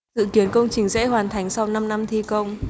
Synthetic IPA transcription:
zɨ̰˧˨ki˨˦ənkə˧wŋ͡mt͡ɕï˨˩ŋ̟zɛ̰˧˥hɦwaː˨˩nt̪ʰa˨˩˦jŋ̟sa˧wna˧mna˧mt̪ʰi˧kə˧wŋ͡m

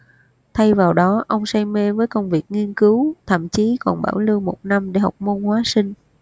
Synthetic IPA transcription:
t̪ʰa˧jvaː˨˩wɗɔ˨˦ʔə˧wŋ͡msa˧jme˧vəː˨˦jkə˧wŋ͡mvi˨˩ək̚ŋi˧ənkɨ˨˦wt̪ʰə̰˧˨mt͡ɕi˨˦kɔ˨˩nɓa̰ː˧˩wlɨ˧wmo˨˩t̚na˧mɗe˧˩ha˨˩wk͡p̚mo˧nhwaː˨˦sï˧ŋ̟

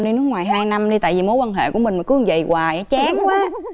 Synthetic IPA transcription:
ɗi˧nɨ˦˥ək̚ŋwaː˨˩jɦaː˧jna˧mɗi˧t̪a̰ː˧˨vi˨˩mo˨˦jkwaː˧nɦḛ˧˨ku˧˩əmi̟˨˩ma˨˩kɨ˧˥ə˨˩ŋzə˨˩jkwaː˨˩jt͡ɕaː˨˦ŋkwaː˨˦

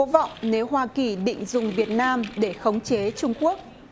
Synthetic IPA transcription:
o˨˦va̰˧˨wŋ͡mne˨˦wɦwaː˧ki˨˩ɗḭ̈˧˨ŋ̟zʊ˨˩ŋ͡mvi˨˩ət̚naː˧mɗe˧˩xə˨˦wŋ͡mt͡ɕe˨˦t͡ɕʊ˧ŋ͡mku˦˥ək̚

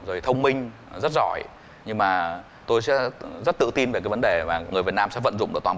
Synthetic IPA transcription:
zo˨˩jt̪ʰə˧wŋ͡mmï˧ŋ̟ | zə˦˥t̚zɔ̰˧˩j | ɲɨ˧ŋmaː˨˩ | t̪o˧jsɛ̰˧˥zə˦˥t̚t̪ɨ̰˧˨t̪i˧nve˨˩kaː˨˦jvə˨˦ɗe˨˩maː˨˩ŋɨ˨˩əjvt̚naː˧msɛ̰˧˥və̰˧˨nzʊ̰˧˨ŋ͡mɗɨ˨˩t̪aː˨˩

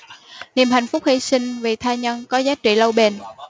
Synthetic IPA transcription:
ni˨˩mɦa˨˩jŋ̟fʊ˦˥k͡p̚hḭ˧˥sï˧ŋ̟vḭ˨˩t̪ʰaː˧ɲə˧nkɔ˨˦zaː˨˦˥t͡ɕḭ˧˨lə˧wɓe˧˩n

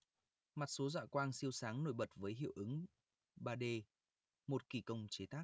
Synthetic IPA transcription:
ma˨˩t̚so˨˦zwa̰ː˧˨kwaː˧nsi˧əwsaː˨˦ŋno˧˩jɓə˨˩t̚vəː˨˦jɦḭ˧˨əwʔɨ˨˦ŋ | ɓaː˧ɗe˧ | mo˨˩t̚ki˧˩kə˧wŋ͡mt͡ɕe˨˦t̪ʰaː˦˥k̚

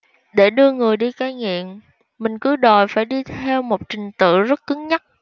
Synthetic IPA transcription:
ɗe˧˩ɗɨ˧əŋɨ˨˩əjɗi˧kaː˧jŋḭ˧˨əm | mï˨˩ŋ̟kɨ˨˦ɗɔ˨˩jfaː˧˩jɗi˧t̪ʰɛ˧wmo˨˩t̚t͡ɕï˨˩ŋ̟t̪ɨ̰˧˨zə˦˥t̚kɨ˨˦ŋɲa˦˥t̚

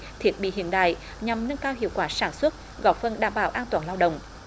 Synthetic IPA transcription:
t̪ʰi˦˥ət̚ɓḭ˧˨ɦḭ˧˨ənɗa̰ː˧˨j | ɲa˨˩mŋə˧nkaː˧wɦḭ˧˨əwkwaː˧˩saː˧˩nswə˦˥t̚ | ɣɔ˧˨˩p̚fə˧˩nɗaː˧˩mɓaː˧˩wʔaː˧nt̪waː˧˩˦nlaː˧wɗə̰˧˨wŋ͡m

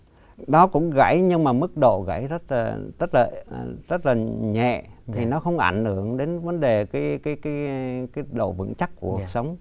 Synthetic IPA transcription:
ɗɔ˨˦kʊ̰˧˥ŋ͡mɣa̰˧˩jɲɨ˧ŋmaː˨˩mɨ˦˥k̚ɗo̰˧˨ɣa̰˧˩jzə˦˥t̚laː˨˩t̪ə˦˥t̚laː˨˩z̥ə˦˥t̚laː˨˩ɲɛ̰˧˨t̪ʰi˨˩nɔ˨˦xə˧wŋ͡mʔa˧˩jŋ̟hɨ˧˩˨əŋɗe˨˦nvə˨˦nɗe˨˩kaː˨˦jkaː˨˦jkaː˨˦jkaː˨˦ɗo̰˧˨vɨ̰˧˥ŋt͡ɕa˦˥k̚ku˧˩ək̚sə˨˦wŋ͡m

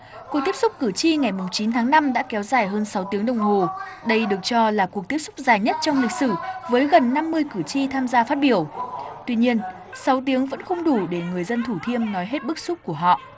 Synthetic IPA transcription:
kwk̪̚i˦˥əsʊ˦˥k͡p̚kɨ˧˩t͡ɕi˧ŋa˨˩jmʊ˨˩ŋ͡mt͡ɕi˨˦nt̪ʰaː˨˦ŋna˧mɗa̰ː˧˥kɛ˨˦wzaː˨˩jɦəː˧nsa˨˦wt̪i˨˦əŋɗə˨˩wŋ͡mɦo˨˩ɗə˧jɗɨ˨˩ək̚t͡ɕɔ˧laː˨˩ku˨˩ək̚t̪i˦˥əp̚sʊ˦˥k͡p̚zaː˨˩jɲə˦˥t̚t͡ɕɔ˧wŋ͡mlï˨˩k̚sɨ˧˩vəː˨˦jɣə˨˩nːa˧mːɨ˧əjkɨ˧˩t͡ɕi˧t̪ʰaː˧mzaː˧faː˦˥t̚ɓi˧˩əwt̪wi˧ɲi˧ən | sa˨˦wt̪̬i˨˦əŋvə̰˧˥nxə˧wŋ͡mɗu˧˩ɗe˧˩ŋɨ˨˩əjzə˧nt̪ʰu˧˩t̪ʰi˧əmnɔ˨˦jɦe˦˥t̚ɓɨ˦˥k̚su˦˥ku˧˩əɦɔ̰˧˨ʔ

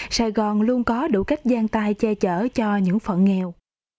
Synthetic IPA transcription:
saː˧˨˩jɣɔ˨˩nlu˧ənkɔ˨˦ɗṵ˧˩ka˦˥jk̟̚zaː˧nt̪aː˧jt͡ɕɛ˧t͡ɕəː˧˩t͡ɕɔ˧ɲɨ̰˧˥ŋfə̰˧˨nŋɛ˧˩w

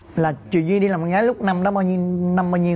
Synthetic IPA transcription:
laː˨˩t͡ɕwḭ˧˨zi˧ɗi˧laː˨˩m̚˨˩ɣaː˨˦jlʊ˦˥k͡p̚na˧mɗɔ˨˦ɓaː˧wɲi˧na˧mɓaː˧wɲi˧ə

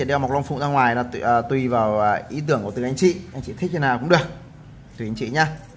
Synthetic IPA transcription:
i˨ɗm˨˩k̚la˧wŋ͡mfṵ˧˨ŋ͡mzaː˧ŋwaː˨˩jnaː˨˧˩t̪wi˧vaː˨˩wʔi˨˦t̪ɨ˧˩əŋkət̪ʔa˧jŋ̟t͡ɕḭ˧˨ʔa˧jŋ̟t͡ɕḭ˧˨t̪ʰi˦˥ə˧naː˨˩kʊ̰˧˥ɨ˨˩ək̚ | t̪ɨ˨˩ʔa˧ŋt͡ɕḭ˧˨ɲa˧

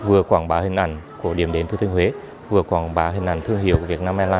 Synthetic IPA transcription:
vɨ˨˩əkwaː˧˩ŋɓaː˨˦hï˨˩ŋ̟ʔa˧˩ŋ̟ku˧˩əɗi˧˩əmɗe˨˦nt̪ʰɨ˧t̪ʰï˧ŋhwe˨˦ | vɨ˨˩əkwaː˧˩ŋɓaː˨˦ɦï˨˩ŋ̟ʔa̰˧˩ŋt̪ʰɨ˧əŋɦi˧˩˨əwkvi˨˩ət̚naː˧mʔaː˧laː˧

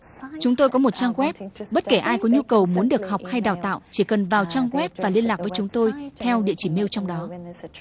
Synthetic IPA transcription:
t͡ɕʊ˨˦ŋ͡mt̪o˧jkɔ˨˦mo˨˩t̚t͡ɕaː˧ŋɣwɛ˦˥p̚ɓə˦˥t̚ke˧˩ʔaː˧jkɔ˨˦ɲu˧kə˨˩wmu˨˦ənɗɨ˨˩ək̚hɔ˨˩wk͡p̚ha˧jɗaː˨˩wt̪a̰ː˧˨wt͡ɕi˧˩kə˨˩nvaː˨˩wt͡ɕaː˧ŋɣwɛ˦˥p̚vaː˨˩li˧ənlaː˨˩k̚vəː˨˦t͡ɕʊ˨˦ŋ͡mt̪o˧jt̪ʰɛ˧wɗḭ˧˨ət͡ɕi˧˩mi˧wt͡ɕɔ˧wŋ͡mɗɔ˨˦

